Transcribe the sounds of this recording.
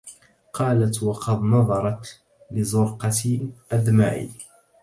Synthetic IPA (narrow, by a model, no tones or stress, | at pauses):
qʰɑːlat̪wɑqɑd̪nɑðˤɑɾˤɑt̪ | lɪzʊɾqɑt̪iʔad̪ma̰ːʔḭː